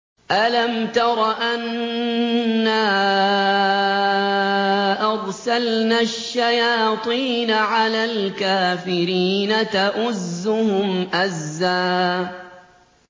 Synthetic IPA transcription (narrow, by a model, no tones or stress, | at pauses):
ʔalamt̪ɑɾˤɑʔan | aː | ʔɑɾˤsalnaʃːajaːt̪ˤiːnaʕalaːlkaːfɪɾiːnat̪aʔʊzːʊhʊmʔazːaː